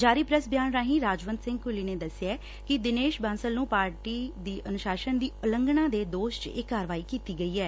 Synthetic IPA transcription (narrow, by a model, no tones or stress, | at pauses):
d͡ʒaːɾiːpɾəsbjaːnɾaːɦĩːɾaːd͡ʒʋə̃nd̪sɪ̃ŋɡ̚kʊliːneːd̪əsɪɛː | kɪd̪ɪneːʃbãːsəlnũːpaːɾʈiːd̪iːʔənʊʃaːʃənd̪iːʊləŋɡnãːd̪eːd̪oːʃt͡ʃɪkːaːɾəʋaːiːkiːt̪iːɡəiːɛː